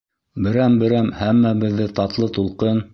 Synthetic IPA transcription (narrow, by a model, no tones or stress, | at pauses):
bɘ̆ɾæmbɘ̆ɾæmhæmːæbɘ̆ðːɘt̪ɑt̪lˠɤt̪ulˠqɤn